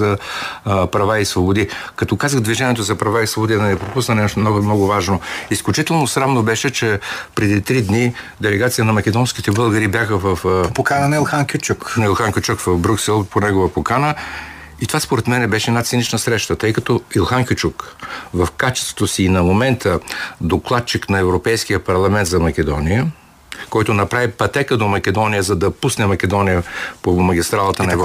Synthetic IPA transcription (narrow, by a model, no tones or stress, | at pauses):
ɐ | pɾɐvaisvobod̪ikɐt̪ɔkazəxd̪viʒɛniɛt̪ozɐpɾɐvaisvobod̪id̪ɐnɛpɾopusnənɛʃt̪mnɔmnɔɡʊvaʒnoisklʲʊt͡ʃit̪ɛlˠnosɾavnobɛʃɛt͡ʃɛpɾɛd̪it̪ɾid̪ni | d̪ɛlɛɡat̪sijənɐmɐkɛd̪ɔnskit̪ɛbəlˠɡəɾibjaxəvəfpokanənɐilˠxaŋkʲit͡ʃuknɐilˠxaŋkʲɛt͡ʃukvɐvbɾʲuksɛlˠponɛɡovəpokanə | it̪ovaspoɾɛt̪mɛnɛbɛʃɛɛd̪nat̪sɛnit͡ʃnəsɾɛʃt̪ət̪ɤjkɐt̪ɔilˠxaŋkʲot͡ʃukvɐfkat͡ʃɛ̥st̪vot̪osiːnɐmomɛnt̪ʰəd̪oklˠat̪̚t͡ʃiknɐɛvɾopɛjskijəpɐɾlˠɐmɛnt̪zɐmɐkʲɛd̪ɔnijə | kɔjt̪onɐpɾavipɐt̪ɛkəd̪omɐkʲɛd̪ɔnijəzɐd̪ɐpusnɛmɐkɛd̪ɔnijəpomɐɡʲist̪ɾalˠət̪ənnɐɛvɾ